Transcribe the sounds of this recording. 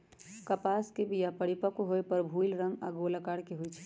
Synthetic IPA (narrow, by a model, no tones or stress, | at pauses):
kəpaːskebʱijapəɽipəkoɦoepəɾbʱulɾə̃ŋɡaɡolakaɽkeɦoit͡ʃʰɛ̥